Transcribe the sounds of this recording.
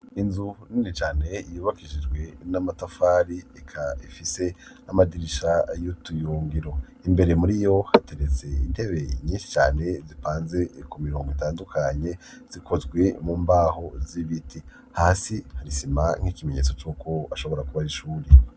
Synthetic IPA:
inzuninit͡ʃaːne̞ijuːβakiʒid͡ʒɡwe̞namatafaːɾiekʰaifise̞ | amadiɾiʃajutujuːŋɡiɾo̞ | imbe̞ɾe̞muɾijo̞hate̞ɾet͡se̞inde̞βe̞ɲiːnʃi̥t͡ʃa̰ːne̞zipaːnze̞kumiɾoːŋɡoitaːndukʰaɲe̞ | z̥ikʰo̞zɡwe̞muːmbaːho̞ziβitʰi | haːsihaɾisimaŋ̥hiːkime̞ɲet͡so̞t͡ʃuːkʰo̞aʃo̞βo̞ɾakuβahiʃuːɾe

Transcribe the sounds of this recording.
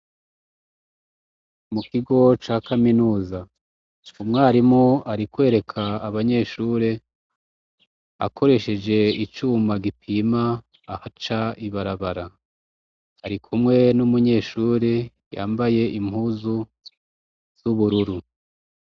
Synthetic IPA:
mukiɡo̞t͡ʃaːkaminuːza | umŋaːɾimŋoaɾikwe̞ːɾe̞kʰaːβaɲe̞ːʃuːɾe | a̰ko̞ɾe̞ʃe̞d͡ʒe̞it͡ʃuːmaɡipʰimaː | hat͡ʃaiβaɾaβaɾa | ɾikʰumŋe̞numuɲe̞ːʃuːɾe | ja̰ːmbaje̞ʔimhuːzu | z̥uβuɾuɾu

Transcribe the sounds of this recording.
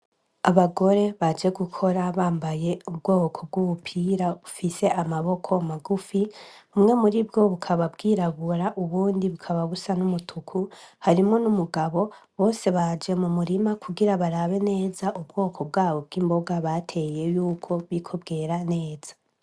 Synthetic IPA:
aβaɡo̞ɾe̞βad͡ʒe̞ɡukʰo̞ɾaβaːmbaje̞ub̚ɡoːβokʰo̞b̚ɡuβupʰiːɾaβufise̞ʔamaβo̞kʰo̞maɡufiumŋe̞muɾibɡo̞βukʰaβabɡiːɾaβuɾaʔuβuːndiβukʰaβaβusanumutʰukʰuhaɾimŋo̞numuɡaβo̞ | βo̞ːse̞βad͡ʒe̞mumuɾimakʰuɡiɾaβaɾaβe̞ne̞ːzaʔub̚ɡo̞ːkʰo̞b̚ɡaːβo̞b̚ɡiːmbo̞ɡaβatʰe̞je̞juːkʰo̞βikʰo̞bɡe̞ɾane̞ːz̥ḁ

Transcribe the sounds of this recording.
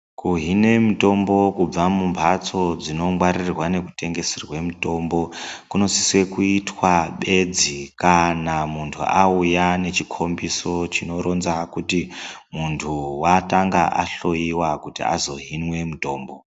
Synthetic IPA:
kuɦine̞muto̞mbo̞kub͡vamumpʰat͡so̞d͡zino̞mwaɾirwane̞kute̞ŋɡe̞serwe̞mito̞mbo̞kuno̞siswe̞kuitwaɓe̞d͡zikanamuntʰṵʔaujane̞t͡ʃikʰo̞mbiso̞t͡ʃino̞ɾo̞nzakutimuntʰuwataŋɡaʔaɬo̞iwakutḭa̰zo̞ɦinwe̞muto̞ːmbo̞

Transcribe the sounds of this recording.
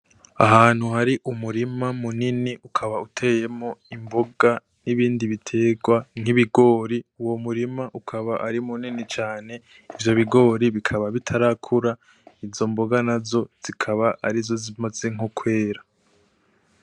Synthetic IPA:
aɦaːn̥huhaɾiʔumuɾimamuniniʔukʰaβautʰe̞je̞mo̞imbo̞ɡa | niβiːndiβitʰe̞ːɡwaŋ̥hiβiɡo̞ːɾiuwo̞muɾimaʔukʰaβaʔaɾimuninit͡ʃaːne̞ | ivjo̞βiɡo̞ːɾiβikʰaβaβitʰaɾakʰuɾa | izo̞mboɡanazo̞z̥ikʰaβaa̰ɾizo̞zimaze̞ŋukʰwe̞ːɾa

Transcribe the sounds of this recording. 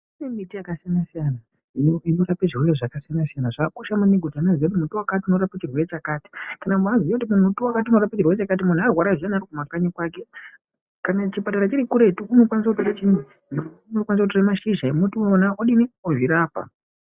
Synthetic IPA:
inemitijakasijanasijana | inoinorapeʐirwereʐakasijanasijanaʐakoʃamuniɡʱutananziot̬imutuwakatiuno̞ɾapat͡ʃirweet͡ʃakaːti̥kanamuanziotimun̤utuwakat̬iuno̞ɾapat͡ʃirweet͡ʃakat̬imun̤arwaɾaʐijanarikumakaɲekwake̞ | kanat͡ʃipataɾat͡ʃiɾikuɾe̞tuuno̞kwanis̬akutoɾat͡ʃini | nionookwanisakut̬oramaʃiʒaemutionaoɗinioʐiɾaːpa̰

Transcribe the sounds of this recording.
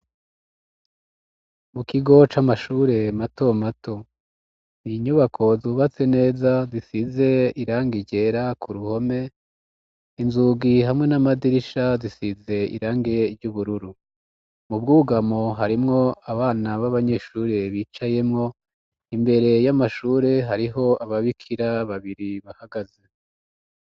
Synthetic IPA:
mukiɡo̞t͡ʃamaʃuːɾe̞mato̞matʰo̞ | niɲuβakʰo̞zuβat͡se̞ne̞ːzazisize̞iɾaːŋɡiɟe̞ɾakʰuɾuho̞me̞ | inzuɡiɦamŋe̞namadiɾiʃazisize̞ḭɾaːŋɡeɾɟuβuɾuɾu | mub̚ɡuːɡamo̞ɦaɾimŋo̞aβaːnaβaβaɲe̞ːʃuːɾeβiːt͡ʃaje̞mŋo̞ | imbe̞ɾe̞jamaʃuːɾe̞ɦaɾiɦo̞aβaβikʰiɾaβaβiɾiβahaɡaze̞

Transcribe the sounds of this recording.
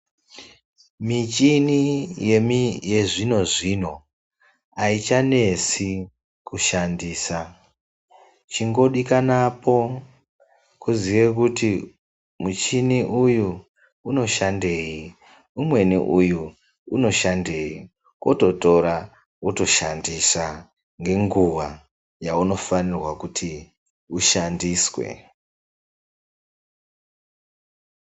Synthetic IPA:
mit͡ʃinije̞mije̞ʐino̞ʐino̞ | ait͡ʃane̞si | kuʃandiːsa | t͡ʃiŋɡo̞ɗikanapo̞ | kuziʋe̞kuti | mut͡ʃiniʔuju | uno̞ʃande̞ji | umwe̞nḭʔuju | uno̞ʃande̞ːi | ko̰to̞to̞ɾa | koto̞ʃandisa | ŋɡe̞ŋɡuʋa | jauno̞fanirwakutʰi | uʃandiːswḛ

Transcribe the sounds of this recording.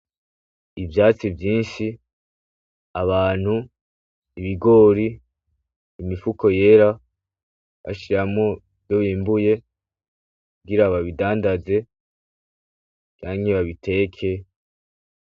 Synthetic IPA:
ivjaːt͡sivjiːnʃi | aβaːn̥huː | βiɡo̞ːɾiː | mifukʰo̞je̞ːɾa | βa̰ʃiɾamŋo̞ | vjoβiːmbuje̞ | kuɡiɾaβaβidaːndaze̞ | t͡ʃaːɲeβaβitʰe̞ːkʰe̞

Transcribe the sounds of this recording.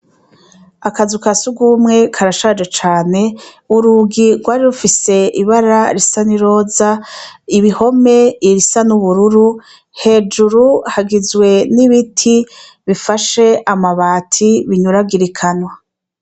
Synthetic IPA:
akazukasuɡumŋe̞kʰaɾaʃad͡ʒat͡ʃaːne̞ | uɾuɡiɾɡwaːɾiɾufise̞ʔiβaɾaɾisaniɾo̞ːzaiβiho̞me̞iɾisanuβuɾuɾu | he̞ːd͡ʒuɾuhaɡizwe̞niβitʰi | βifaʃe̞amaβaːtʰiβiɲuɾaɡiɾikʰanwa

